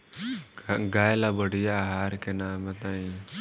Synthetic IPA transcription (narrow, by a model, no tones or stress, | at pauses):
ɡaːjlabəɽijaːɦaːɾkenaːmɐt̪aĩ